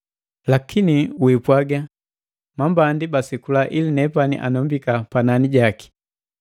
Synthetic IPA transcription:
lakʰiniwipwaɡa | mambandibasikulaʔilinɛpanḭʔa̰nɔmbikapananiɟaki̥

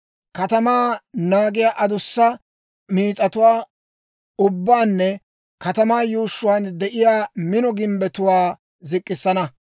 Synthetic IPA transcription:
kɐt̪ɐmaːnaːɡɪjaːʔɐd̪ʊsːɐ | miːt͡sʼɐt̪ʊwaː | ʊbːaːnːɛ | kɐt̪ɐmaːjuːʃːʊwaːnd̪ɛʔɪjaːmɪnɔɡɪmbɛt̪ʊwaː | zɪkʼːɪsːɐnɐ

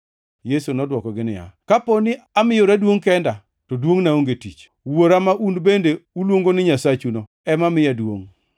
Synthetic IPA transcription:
jesunɔdwɔkɔɡɪnɪ̰ja̰kaponɪamɪjoɾadwoŋkɛnda | tɔdwoŋnaoŋɡetit͡ʃ | woɾamaʔunbendeulwoŋɡonɪɲasat͡ʃuno | ɛmamɪjadwo̰ŋ

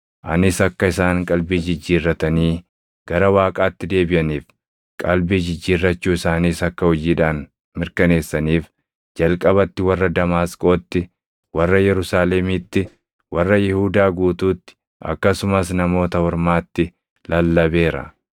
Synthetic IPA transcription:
ʔɐnɪsɐkːɐɪsaːŋkʼɐlbiːd͡ʒɪd͡ʒːiːrːɐt̪ɐniː | ɡ̥ɐɾɐwaːkʼaːt̪ːɪd̪e̞ːbɪjɐniːf | kʼɐlbiːd͡ʒɪd͡ʒːiːrːɐt͡ʃːuːɪsaːniːsɐkːɐhɔd͡ʒiːᶑaːn | mɪɾkɐne̞ːsːɐniːf | d͡ʒɐlkʼɐbɐt̪ːɪwɐrːɐd̪ɐmaːskʼo̞ːt̪ːɪ | wɐrːɐjɛɾʊsaːlemiːt̪ːɪ | wɐrːɐjɪhuːd̪aːɡuːt̪uːt̪ːɪ̥ | ɐ̰kːɐsʊmɐsnɐmo̞ːt̪ɐhɔɾmaːt̪ːɪ | lɐlːɐbe̞ːɾɐ̰

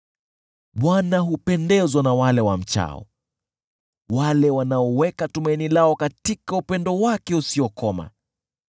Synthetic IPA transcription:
ɓwanaɦupɛndɛzwanawalɛwam̩t͡ʃa̰ɔ̰ | walɛwanaɔwɛkatumainilaɔkatikaupɛndɔwakɛusiɔkɔma̰

